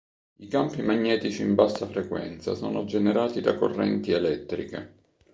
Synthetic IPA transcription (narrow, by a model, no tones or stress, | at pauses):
ikampimaɲːɛːt̪it͡ʃiːmbasːafɾekwɛ̰nt̪sa̰sɔːnod͡ʒeneɾaːt̪id̪ako̰rːɛ̰nt̪ielɛt̪ːɾikḛ